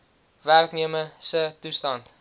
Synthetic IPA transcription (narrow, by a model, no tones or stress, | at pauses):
værkniəməsətustɑnt